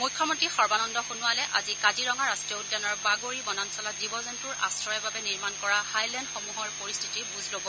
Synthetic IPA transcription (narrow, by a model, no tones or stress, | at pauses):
mujkʰːɔmɔtixɔɹbanɔndɔxunʊalɛʔazikadiɹɔŋaɹastɹijɔudːanɔɹbaɡoɹibɔnɔnsɔladibɔzɔntuɹa̰sɹɔjɛbabɛniɹmankɔɹahajlɛndxomuɦɔɹpoɹist̪ʰi̥tibuzlobɔ